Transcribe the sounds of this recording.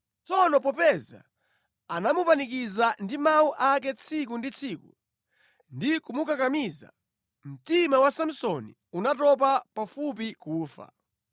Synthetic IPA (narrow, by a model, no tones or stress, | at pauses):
t͡sɔnɔpɔpɛza̰ | anamupanik̬izandimawuʔak̬ɛt͡sʰik̬undit͡sʰiːku | ndikumukakamiza̰ | m̩timawasam̩sɔni | unatɔp̬apafup̬ikuːfa̰